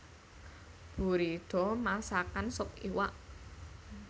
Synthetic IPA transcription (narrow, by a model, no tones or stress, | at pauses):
b̥ṳɾid̪̥ɔ̤masakansʊpiwaʔ